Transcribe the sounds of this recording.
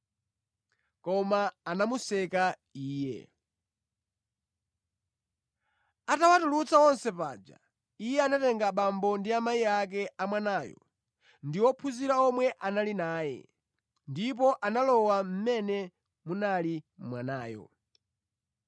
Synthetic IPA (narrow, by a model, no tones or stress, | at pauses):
kɔmaːnamusɛka | iːjɛ̰ | atawatulut͡sawɔnsɛpa̰ːd͡ʒa̰ | ijɛanatɛŋɡaɓambɔndiamaiak̬ɛʔamwanaːjɔ̰ | ndiwɔpʰuziɾaɔmwɛʔanalinaːjɛ̰ | ndipɔʔanalɔwam̩mɛnɛ | munalimwanaːjɔ̰